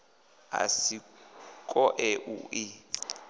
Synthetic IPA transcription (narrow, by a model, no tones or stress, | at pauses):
a̰sikʼɔʔɛʔuʔi